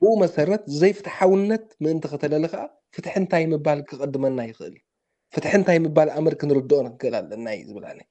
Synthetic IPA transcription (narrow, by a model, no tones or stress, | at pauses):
bɨʔumɐsɐɾɐt̪zɨzɐjfɨt̪ħawɨnːɐt̪̚mɨʔɨnt̪ʰɨxɨt̪ʰɐlɐlɐkaʔa | fɨt̪ħɨnt̪ʰajmɨbalkʰɨkʼɨd̪ːɨmɐnːajɪxɨʔɨ̰l | fɨt̪ħɨnt̪ʰajmɨbalʔamɐɾkʰɨnɨɾɨd̪oʔʼnkʰɨʔɨla̰lɐnːaj̰zɨβɨla̰na